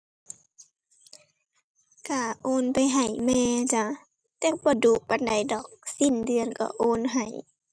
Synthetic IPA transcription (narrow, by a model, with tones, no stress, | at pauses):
ka˧˩ʔoː˧˥˨npa˨jɦa˨˩jmɛː˧t͡ɕa˧˩ | t̪ɛː˧˦bɔː˧˦duː˧˦pa˧˨nda˨˩jdɔː˨˩k̚si˧˨ndɯ˧˨ə˨nkɔ̰˧˩ʔoː˧˥˨nɦa˨˩j